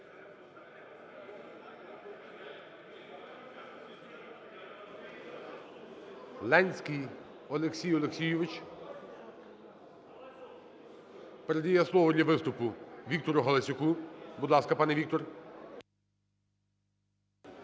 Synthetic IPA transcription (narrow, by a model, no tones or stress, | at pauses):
lˠɛnʲsʲkij | ɔlˠeksʲijɔlˠeksʲijʊʋɪt͡ʃ | pɛɾed̪ʲijɛslˠɔʋɔd̪ʲlʲɐʋɪst̪ʊpʊʋʲik̚t̪ɔɾʊɦɐlˠɐsʲʊkubud̪lˠɑskɐpɑnɛʋʲik̚t̪ɔr